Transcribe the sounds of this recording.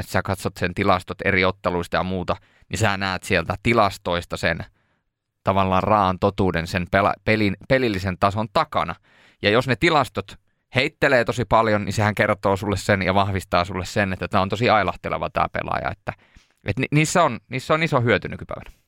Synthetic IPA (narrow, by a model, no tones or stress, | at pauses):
et̪sæːkɑt̪sot̪sent̪ilɑst̪ot̪ḛriot̪ːeluist̪ɑjɑmuːt̪ɑ | nisæːnæːt̪sielt̪æt̪ilɑst̪oist̪ɑsḛn | t̪ɑʋɑlːɑːrrɑːɑnt̪ot̪uːdensenpelɑ̰pelinpelilːisent̪ɑsont̪ɑkɑ̰nɑ | jɑjosnet̪ilɑst̪ot̪ | heit̪ːeleːt̪osipɑljonnisehæŋkert̪oːsulːessenjɑʋɑhʋist̪ɑːsulːessenet̪ːæt̪æːont̪osiɑilɑht̪elḛʋɑ̰t̪æ̰ːpḛlɑ̰jɑ̰ḛt̪ːæ | ʔḛt̪niːsːæonniːsːæonisohyøt̪ynykypæ̰ˑiʋæ̥n